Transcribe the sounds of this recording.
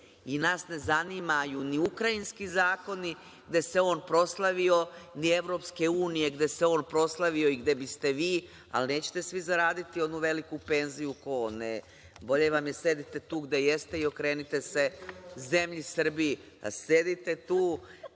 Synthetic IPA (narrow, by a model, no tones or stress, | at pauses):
inaːsne̞zanimajuniukɾainskizaːko̞ni | ɡd̪e̞se̞o̞ːnpɾo̞slˠaʋio̞nie̞ʋɾo̞ːpske̞uːnije̞ɡd̪e̞seo̞ːnpɾo̞slˠaʋio̞iɡd̪e̞bist̪e̞ʋiː | a̰lne̞ːt͡ɕe̥t̪e̞sʋizaɾaːd̪it̪io̞d̪nuʋe̞likupe̞ːnzijukone | bo̞ʎeʋamjese̞d̪it̪e̞t̪uːɡd̪e̞jest̪e̞io̞kɾe̞ːnit̪e̞se̞ze̞mʎisr̩bii | a̰se̞d̪it̪e̞t̪uː